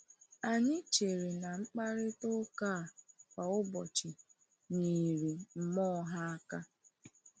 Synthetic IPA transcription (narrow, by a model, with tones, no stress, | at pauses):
a˨ɲɪ˦t͡ʃe˨ɾi˨na˨ŋ͡m̩˦k͡pa˦ɾɪ˦to˦ka˦˨pa˨ʊ˦bɔ˨t͡ʃɪ˨ | ni˨ɾi˨m̩˨mɔ˦ɦa˦a˦ka˦